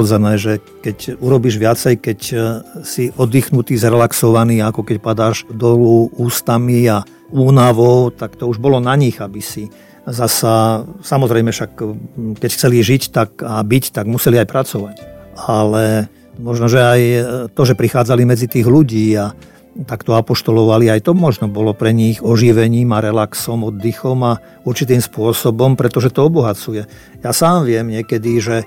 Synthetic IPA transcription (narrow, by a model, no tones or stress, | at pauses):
d͡zɛnɛːʒɛ | kɛcuɾɔbiːʒʋɪat͡sɛjkɛcsiʔɔd̪iːxnut̪iːzɾɛlaksɔʋaniːakɔkɛcpad̪aːʒd̪ɔluuːst̪amia | uːnaʋɔʊt̪akt̪ɔuʒbɔlɔnaɲiɣabisi | zasasamɔzɾɛjmɛʃakkɛcxt͡sɛliʒict̪akabict̪aɡmusɛliajpɾat͡sɔʋacalɛ | mɔʒnɔʒɛajt̪ɔʒɛpɾixaːd͡zalimɛd͡zit̪iːɣluɟiːa | t̪akt̪ɔapɔʃt̪ɔlɔʋaliajt̪ɔmɔʒnɔbɔlɔpɾɛɲiɣɔʒiʋɛɲiːmaɾɛlaksɔmɔd̪ːixɔma | uɾt͡ʃit̪̬iːmspʊɔsɔbɔmpɾɛt̪ɔʒɛt̪ɔɔbɔɦat͡sujɛ | jasaːmʋɪɛmɲɪɛkɛd̪iʒɛ